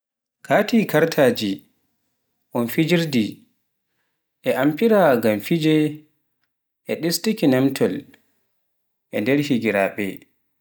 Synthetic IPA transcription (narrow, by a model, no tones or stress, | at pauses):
kʰaːtiːkaɾtʰaːd͡ʒi | ʔɔnfid͡ʒiɾdi | ʔɛʔampiɾaɡamfid͡ʒɛ | ʔɛɗistikinamtʰɔl | ʔɛndɛɾhiɡiɾaɓɛ